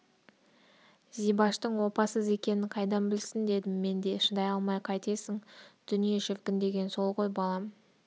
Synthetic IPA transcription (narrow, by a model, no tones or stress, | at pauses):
zijbɑʃt̪əɴwo̞pɑsəze̞kʲe̞nɪɴqʰɑjd̪ɑnbɪlsɪnd̪e̞d̪ɪmːe̞nd̪e̞ʃənd̪ɑjɑlˠmɑjqʰɑjt̪e̞sɪŋd̪̥ʏnije̞ʃɪfkʲɪnd̪e̞ɡʲe̞nso̞lˠqo̞jbɑlˠɑm